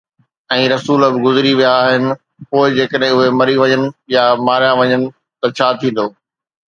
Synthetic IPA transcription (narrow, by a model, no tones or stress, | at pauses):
ɛ̃ːɾɐsuːlbɪɡʊzɪɾiʋijaːɦɪnɪ̆ | poːɪd͡ʑeːkəɗɦɪ̃ʊɦemɐɾiʋɐɲənɪ̆jamaːɾijaʋɐɲənɪ̆ | t̪ɐt͡ɕʰaːt̪ʰĩːn̆d̪oː